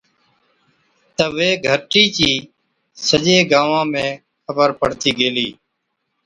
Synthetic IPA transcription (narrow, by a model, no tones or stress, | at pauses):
t̪əʋeːɡʱəʈiːt͡ʃiː | səd͡ʒeːɡaːʋãːmẽː | xʰəbəɾpəɽt̪iːɡeːliː